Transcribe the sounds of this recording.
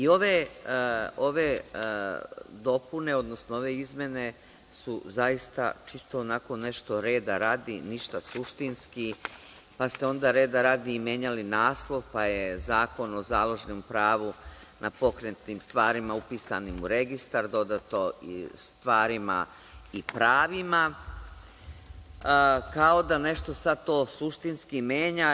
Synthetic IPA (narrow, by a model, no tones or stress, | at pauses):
io̞ʋe | o̞ʋe | d̪o̞pune̞o̞d̪no̞snoo̞ʋe̞izmjene̞ | suzaist̪a̰t͡ʃist̪oːnako̞nːe̞ʃt̪o̞ɾe̞ːd̪aɾaːd̪iniʃt̪asuʃt̪inski | past̪eo̞nd̪aɾe̞ːd̪aɾaːd̪iːmjeɲalinaːslˠo̞ʋpajezaːko̞no̞zaːlˠo̞ʒenompɾaːʋu | nʔapo̞kɾent̪nimst̪ʋaːɾimaupiːsa̰nimuɾe̞ɡist̪aɾd̪o̞d̪at̪oḭst̪ʋaːɾima̰ | ipɾaːʋima | kao̞d̪ane̞ʃt̪o̞sad̪̚t̪oːsuʃt̪inskimjeːɲa